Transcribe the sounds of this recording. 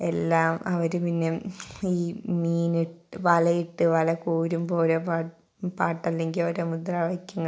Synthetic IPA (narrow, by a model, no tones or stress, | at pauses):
elːaːmɐʋɐɾupinːeiːmiːniʈːʋɐlɐjiʈːɨʋɐlɐkuːɾumbo̞ːɾepaː | paːʈːɐlːe̞ŋɡiloɾemud̪rɐʋɐkʲːɐŋːɐ